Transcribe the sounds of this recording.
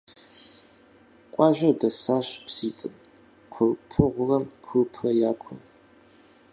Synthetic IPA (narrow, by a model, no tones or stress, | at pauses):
qʷʼɑːʒɐrdɐsaːɕpʰʷsiːtʼɨm | kʷʰʊrpʰɨʁʷʊrɐmkʷʰɨpʰrɐjaːkʷʰʊm